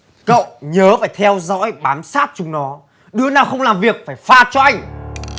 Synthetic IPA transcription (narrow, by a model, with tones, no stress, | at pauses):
kə̰˧˨wɲəː˨˦faː˧˩jt̪ʰɛ˧wzɔ̰˧˥jɓaː˨˦msaː˦˥t̚t͡ɕʊ˨˧ŋ͡mnɔ˨˦ | ɗɨ˨˦ənaː˨˩wxə˧wŋ͡mlaː˨˩mvi˨˩ək̚faː˧˩jfaː˧t͡ɕɔ˧ʔa˧jŋ̟